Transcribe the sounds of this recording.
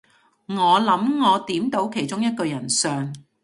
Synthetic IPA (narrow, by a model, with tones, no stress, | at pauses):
ŋɔː˨˧lɐ˨˥mŋɔː˨˧t̪iː˨˥mt̪o˨˥wkʰe˨˩jt͡sʊ˥ŋjɐ˥t̚kɵ˧jɐ˨˩nsœː˨ŋ